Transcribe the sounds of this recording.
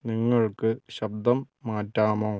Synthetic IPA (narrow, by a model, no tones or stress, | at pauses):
niŋːɐɭkɨɕɐb̚d̪ɐmːaːtːaːmoː